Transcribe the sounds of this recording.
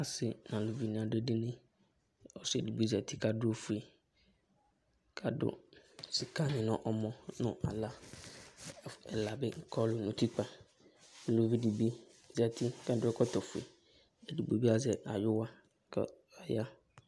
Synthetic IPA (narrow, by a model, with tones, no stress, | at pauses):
a˨sɪ˨nã˨lo˨vi˨nɪ̃˨a˨dʊ˦dɪ˦nɪ̃˦ | ɔ˨sʊ˦ɛ˨di˨bi˦za˨tʰi˦ka˨dʊ˦o˦fu˨e˨ | kʰa˨dʊ̰˦˨si˨ka˦nɪ̃˨nʊ̰̃˨ʔɔ˨mɔ̃˦nʊ̃˦ʔa̰˨la˦˨ | ɛ˨la˨bɪ˦ŋ̩˨kʰɔ˦lʊ˨nʊ̃˨tʰu˦k͡pa˨ | lo˨vi˦di˨bi˦ | za˨tʰi˦ka˨dʊ˦ɛ˦kʰɔ˦tʰɔ˨fʊ˨ḛ˨ | ɛ˨di˨bo˨bi˦a˨zɛ˨a˨jʊ˦wa˦ | kʰ | a˨ja˦